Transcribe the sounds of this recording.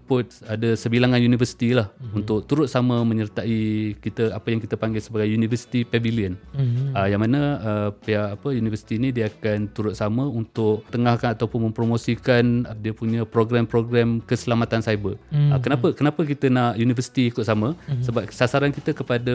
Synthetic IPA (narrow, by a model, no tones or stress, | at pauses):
pʊt̪̚adəsəbilaŋanjunifərsi̥t̪ilahunt̪ʊkt̪uɾʊt̪̚saməmə̃ɲərt̪aikit̪əapəjaŋkit̪əpaŋɡɪlsəbaɡajjunivəsi̥t̪ipɛviliənəjaŋmanəəpiaːpəjunivəsi̥t̪iːnidiəakant̪uɾʊt̪̚saməunt̪ʊʔ̚t̪əŋahkanat̪awpʊnmə̃mpɾomosikandiəpuɲə̃pɾoɡɾampɾoɡɾamkəsəlamat̪ansajbəəkənapəkənapəkit̪ənaʔjunivəsi̥t̪iikʊt̪̚saməsəbap̚sasaɾankit̪əkəpadə